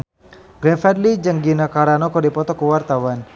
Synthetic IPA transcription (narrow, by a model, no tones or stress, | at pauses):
ɡɾɛfadlid͡ʒəŋɡinakaɾanɔkɔdipɔt̪ɔkuwart̪awan